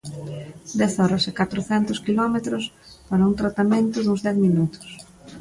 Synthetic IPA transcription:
d̪ɛθɔɾɐsɪkat̪ɾʊθɛnt̪ʊskilɔmet̪ɾʊs | paɾɐuŋt̪ɾat̪amẽnt̪ʊðũŋzðɛθminut̪ʊ̥s

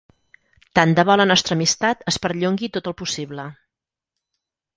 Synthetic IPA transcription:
t̪and̪əβɔlənɔst̪ɾəːmist̪at̪əspəɾʎoŋɡit̪ot̪əlˠpusiβlə

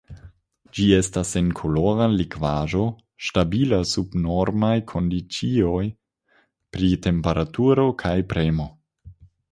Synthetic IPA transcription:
d͡ʒie̞stase̞nkʰo̞loʁalikvaʒo̞ | ʃtabilasubno̞ɾmajkʰo̞ndit͡sio̞j | pɾite̞mpeɾʔatuɾo̞kʰajpɾemo̞

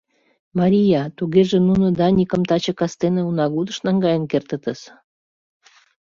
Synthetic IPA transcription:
mɑɾʲijɑt̪uɣeʒĕnunŏd̪ɑnʲikə̆mt̪ɑt͡ɕɤ̆kɑst̪enĕunɑɣud̪ə̆ʃnɑŋɡɑjənkert̪ə̆t̪ə̆ʃ

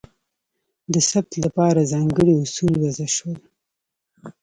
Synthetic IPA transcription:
d̪əsab̚t̪lapɑɾazɑŋɡəɽiʊsulwazaʃwəl

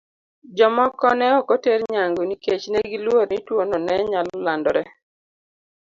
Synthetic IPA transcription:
d͡ʒɔmɔkɔnɛɔkɔteɾɲaŋɡoniket͡ʃnɛɡilwoɾnitwonɔnɛɲallandɔɾɛ

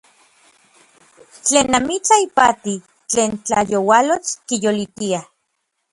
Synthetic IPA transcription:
t͡ɬeːnːamit͡saipat̪i | t͡ɬeːnt͡ɬa̰jowalot͡skijolit̪ia

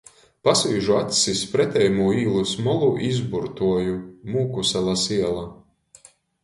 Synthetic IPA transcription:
pasviːʒuat̪ʲsispɾɛt̪ʲɛjmuːiːlˠusmɔlˠuʔizbuɾt̪uɔjumuːkusɛlˠasiɛlˠa

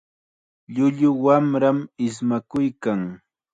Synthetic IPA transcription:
ʎʊʎʊwamɾamɪs̬makʊjkaŋ

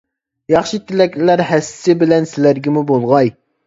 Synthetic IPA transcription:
jɑχʃit̪ʰɪlɛkʲlæɾhɛsɪ̥sɪbɪlɛnsɪlæɾɡʲɪmubolˠʁɑj

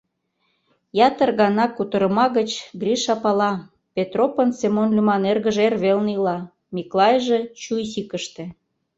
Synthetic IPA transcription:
jɑt̪ərɣɑnɑkut̪əɾə̆mɑɣət͡ɕɡrʲiʃɑpɑlɑ | pʲet̪ropənsemonlʲymɑnerɣəʒerβelnilɑ | mʲiklˠɑjʒet͡ɕujsikəʃt̪ĕ

